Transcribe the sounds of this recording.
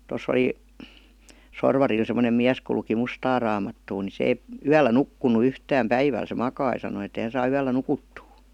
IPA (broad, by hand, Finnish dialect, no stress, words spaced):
tos oli sorʋɑril semə̆nem miæs ku luki mustɑː rɑːmɑtːuː ni se eĭ yælːæ nukːunu yhtæːm pæiʋæl se mɑkɑi sɑno et eĭ hæn̞ sɑː yælːæ nukutːuː